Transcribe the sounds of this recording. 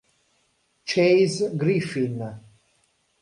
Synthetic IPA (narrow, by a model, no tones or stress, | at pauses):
t͡ʃʰejzɡɾifin